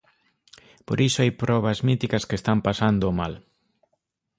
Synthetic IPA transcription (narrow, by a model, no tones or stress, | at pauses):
po̰ɾʔisʊajpɾɔβ̞ɐzmit̪ikɐskest̪ampasand̪oːmal